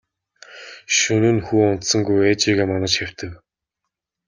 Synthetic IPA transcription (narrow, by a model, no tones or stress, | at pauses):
ʃɵnŭːnxuːʊn̥t̪sɞ̆ŋɡujeːt͡ɕiːɣeːmɔnə̆t͡ɕxaw̥ʲt̪ɘ̆k